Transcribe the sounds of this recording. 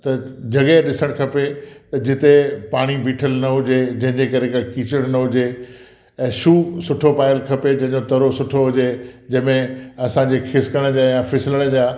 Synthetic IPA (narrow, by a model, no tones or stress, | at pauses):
t̪ɐd͡ʑɐɠeɗɪsəɽ̃kʰɐpet̪ɐd͡ʑɪt̪epaːɽ̃ibʱiːʈʰəlnɐɦʊd͡ʑed͡ʑɐ̃ɦɪ̃ɲd͡ʑekɐɾekakiːt͡ɕəɽ̃nɐɦʊd͡ʑe | ɛ̃ːʃuːsʊʈʰopaːɪəlkʰɐped͡ʑɐ̃ɦɪ̃ɲd͡ʑot̪ɐɾosʊʈʰoɦʊd͡ʑed͡ʑɐ̃ɦɪ̃mẽɐsãd͡ʑexʰɪskəɽ̃d͡ʑaːjãfʰɪsɪləɽ̃ə̆d͡ʑaː